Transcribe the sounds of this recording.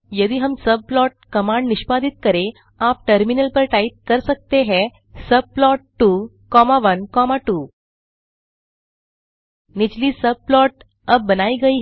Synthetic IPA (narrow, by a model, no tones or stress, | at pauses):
jəd̪iːɦəmsəb̚plɔʈ̚kəmaɳɖniɕpad̪it̪̚kəɾe | ap̚ʈəɾminəlpəɾʈait̪̚kəɾsək̚t̪eɦɛ | səb̚plɔʈːu | kɔmaʋənkɔmaʈu | nid͡ʑliːsəb̚plɔʈ | əbbənaiɡəi